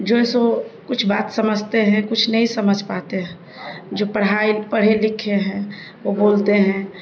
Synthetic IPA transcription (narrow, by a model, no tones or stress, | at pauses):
d͡ʒoːesokʊt͡ʃʰbaːt̪səməd͡ʒʱt̪eɦɛ̃kʊt͡ʃʰnəɦĩsɐməd͡ʒʱpaːt̪eɦɛ̃ | d͡ʒoːpəɽ̤ɦaːipəɽ̤elɪkʰeɦɛ̃ | ʋoboːlt̪eɦɛ̃